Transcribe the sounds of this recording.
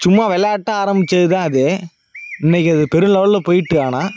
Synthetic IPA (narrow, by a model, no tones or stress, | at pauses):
sʊmːaʋɛlɐjaːʈːaaːɾɐmbɪt͡ʃːɐðɯt̪ãːɐðeː | ɪnːɐkːɯɐðɯpɛɾɯmlɐʋɐllɐpoːjɪʈːɯaːnaː